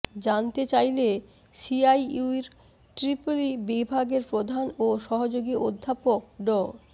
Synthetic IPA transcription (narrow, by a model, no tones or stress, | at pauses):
d͡ʑant̪et͡ɕajle | siajuɾ | ʈɾipulibibʱaɡeɾpɾod̪ʱanoʃɔɦod͡ʑoɡiod̪ʱːapok̚ɖɔ